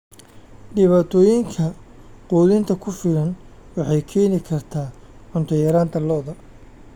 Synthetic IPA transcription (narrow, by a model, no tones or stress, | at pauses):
ɖɪβaːt̪ʰɔːjɪŋkʰɐquːðɪnt̪ʰɐkʰʊfɪlɐnwɑħɑjkʰɛːnɪkʰɐrt̪ʰaːʕʊnt̪ʰɐjɐɾaːnt̪ʰɐlɔːðɐ